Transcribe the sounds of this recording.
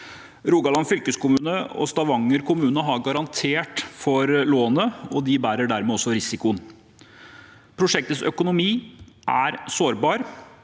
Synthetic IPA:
ɾuːɡɑlɑnfʏlkəskʊmʉːnəɔ̰st̪ɑʋɑŋːəɾkʰʊmʉːnəɦɑɾɡɑɾɑnt̪ʰeːʈfɔɾloːnəɔd̪ɪbæːɾəɖæɾmɛɔsːɔɾɪsɪkʊən | pʰɾʊʂɛk̚t̪əsœkʊnʊmiːʔæ̰ɾsoːɾbɑːɾ

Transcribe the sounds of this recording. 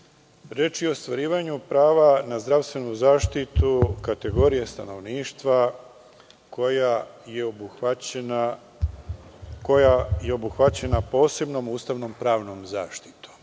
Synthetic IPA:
ɾet͡ʃiost̪ʋaɾiːʋaɲupɾaːʋanazd̪ɾaʋst̪ʋe̞nuzaːʃt̪it̪ukat̪e̞ɡo̞ɾijest̪ano̞ʋniːʃt̪ʋa | kojajeo | kojajeo̞buxʋat͡ɕe̞napo̞ːse̞bno̞muːst̪aʋno̞mpɾaːʋno̞mza̰ːʃt̪i̥t̪o̥

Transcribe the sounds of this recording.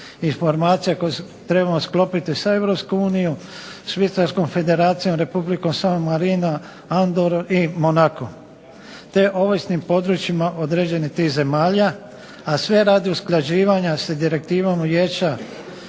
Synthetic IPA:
info̞ɾmaːt̪sijakoe | t̪ɾe̞bamosklo̞pit̪isae̞ʋvɾopskuuːniju | ʃʋit̪salsko̞mfe̞d̪e̞ɾaːt̪sijo̞mɾe̞publiko̞msamomːaɾino | and̪oɾoʔimonako | t̪e̞ʔo̞ʋojsnimpo̞d̪ɾut͡ʃimaʔod̪ɾe̞ːd͡ʑe̞nit̪iːhze̞maːʎa | asʋe̞ɾaːd̪iusklaʒiːʋaɲased̪iɾe̞k̚t̪iːʋamujet͡ʃa

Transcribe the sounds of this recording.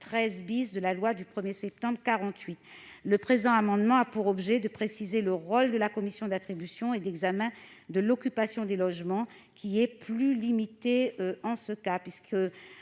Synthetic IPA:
t̪χɛzbisd̪əlalwad̪ypχəmjesɛp̚t̪ɑ̃bʁkaʁɑ̃t̪ɥit̪ləpχezɑ̃amɑ̃d̪mɑ̃apuʁɔbʒɛd̪əpχesizeləʁold̪əlakɔmisjɔ̃d̪at̪χibysjɔ̃ed̪ɛɡzamɛ̃d̪əlɔkʲypasjɔ̃d̪elɔʒmɑ̃ | kʲʰiɛplylimit̪eøɑ̃səkapɥiskə

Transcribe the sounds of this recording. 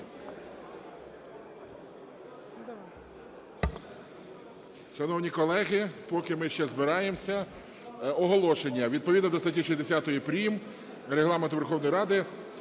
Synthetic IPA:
ʃɐnɔwnʲikɔlˠɛɦɪpɔkɪmɪʃt͡ʃɛzbɪɾɑjemsʲɐ | ɔɦɔlˠɔʃenʲːɐʋʲid̪̚pɔʋʲid̪nɔd̪ɔst̪ɐtʲiʃizʲd̪esʲat̪ɔjipɾʲim | ɾeɦlˠɑment̪ʊʋerxɔwnɔjɾɑd̪ɪ

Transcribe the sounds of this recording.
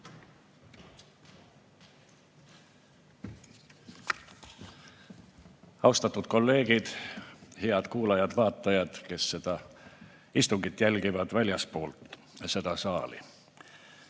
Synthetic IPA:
ɑwst̪ɑt̪ːˑud̪̥ko̞lːe̞ːɡ̥id̪̥heɑd̪̥kuːlɑjɑd̪̥vɑːt̪ːˑɑjɑd̪̥ke̞sːe̞d̪̥ɑ | ist̪uŋɡit̪ːˑjælɡ̥ivɑd̪vælʲjɑspo̞ːlt̪ | ɑse̞d̪̥ɑsɑːlḭ

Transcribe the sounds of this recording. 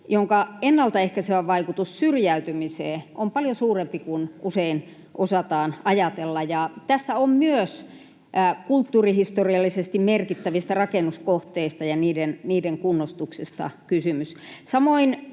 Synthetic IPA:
joŋkɑenːɑlt̪ɑehkæseʋæʋɑikut̪ussyrjæyt̪ymiseːʔompɑljosuːrempikunusein | ʔosɑt̪ɑːnɑjɑt̪elːɑjɑt̪æsːæommyøs | kult̪ːuːrihist̪oriɑlːisest̪immerkit̪ːæʋist̪ærɑkenuskoht̪eist̪ɑjɑniːdenniːdeŋkunːost̪uksist̪ɑ̰kysymyssɑmoin

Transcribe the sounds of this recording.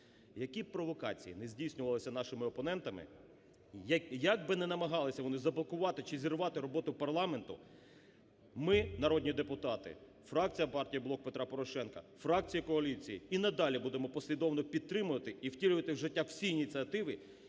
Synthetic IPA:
jɐkʲipɾɔʋɔkɑ̰t͡sʲḭjinezʲdʲijsʲnʲʊʋɐlˠɪsʲɐnɑʃɪmɪɔpɔnɛnt̪ɐmɪ̰ | jɐɡ̚bɪnɛnɐmɐɦɑlˠɪsʲɐʋɔnɪzɐblˠɔkʊʋɑt̪ɪt͡ʃɪzʲirʋɑt̪ɪɾɔbɔt̪ʊpɐrlˠɑment̪ʊ̰ | mɪnɐɾɔd̪ʲnʲid̪epʊt̪ɑt̪ɪ̰ | fɾɑk̚t͡sʲijɐpɑrtʲijiblˠɔk̚pe̞t̪ɾapɔɾɔʃɛnkɐ̰fɾɑk̚t͡sʲijikɔɐlʲit͡sʲijiinɐd̪ɑlʲibud̪emɔpɔsʲlʲid̪ɔwnɔpʲid̪̚t̪ɾɪmʊʋɐt̪ɪʔiwtʲilʲʊʋɐt̪ɪwʒɪtʲːaw̥sʲiːnʲit͡sʲiɐt̪ɪʋɪ

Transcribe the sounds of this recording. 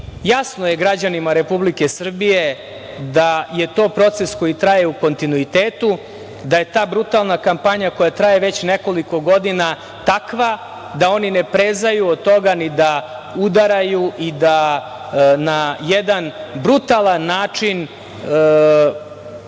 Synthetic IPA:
jasnojeɡɾad͡ʑanimaɾe̞publikesr̩bije̞ | d̪aje̞t̪o̞ːpɾo̞t̪sesko̞jit̪ɾajeuko̞nt̪inuit̪eːt̪u | d̪aje̞t̪aːbɾut̪alˠnakampaɲako̞jat̪ɾaje̞ʋe̞t͡ɕneko̞liko̞ɡo̞d̪ina | t̪akʋa | d̪ao̞ninepɾezajuod̪̚t̪o̞ɡanid̪a | ud̪aɾajuʔid̪a | najed̪anbɾut̪alˠanːaːt͡ʂin

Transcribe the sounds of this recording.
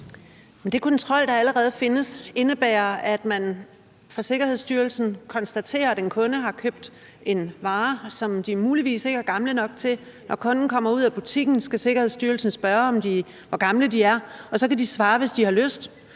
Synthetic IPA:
mend̥e̝kʰɒ̽nt͡sʰʁɒ̽l̰d̥ɑ̈æləʁɛːð̞̩ˠfe̝nəse̝nəb̥ɛːɐæd̥mæn | fɑse̝ɡ̥ɐhe̝sd̥yːɐl̩sn̩kʰɒ̽nsd̥æt͡sʰe̝̰ːɐæd̥enkʰɔ̽nəɦɑ̈kʰøb̥̚d̥ | e̝nʋɑ̈ːsɒ̽md̥imuːliʋḭːse̝ɡ̥əæɐɡ̥ɑ̈mlənɒ̽ɡ̥t͡sʰe̝l | nʔɒkʰɔ̽nn̩kʰɒ̽m̰ɐuð̞̰ˠæb̥ut͡sʰiɡ̥n̩sɡ̥æse̝ɡ̥ɐhe̝ð̞̰ˠsd̥yːɐlsn̩sb̥ɶːɐɒ̽md̥i | ʋɒɡ̥ɑ̈mləd̥iæɐɒ̽sɒ̽kæd̥isʋɑ̈ːʋe̝sd̥ihɑ̈løsd̥

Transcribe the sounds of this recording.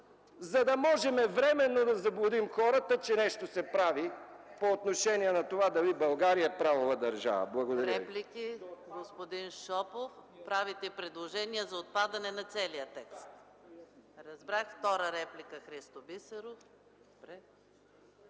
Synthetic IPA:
zɐd̪ɐmɔʒɛmɛvɾɛmɛnːod̪ɐzɐblˠʊd̪imxɔɾət̪ət͡ʃɛnɛʃt̪osɛpɾavi | poːt̪noʃɛniɛnɐt̪ovad̪ɐvibɐlˠɡaɾijəɛpɾavovɐd̪ɐɾʒa̰və̰blˠɐɡod̪ɐɾəɛviplikiɡospod̪inʃɔpofpɾavit̪ɛipɾɛd̪lˠoʒɛniəzɐot̪̚pad̪ɐnɛnɐt̪sɛlijət̪ɛkst̪ | ɾɐzbɾaxft̪ɔɾəɾɛplikəxɾist̪obisəɾof | d̪obɾɛ

